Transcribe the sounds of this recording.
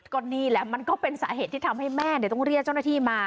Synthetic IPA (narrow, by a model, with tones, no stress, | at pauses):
ko˧nːiː˧˥˩lɛ˦˥ma˧nkɔː˥˩pe˧nsa̰ː˩˦ɦeː˨˩t̪ʰːiː˥˩t̪ʰa˧mha˥˩jmɛː˥˩di˧˩t̪ɔ˥˩ŋɾi˥˩ət̚t͡ɕa˥˩wnaː˥˩iː˥˩maː˧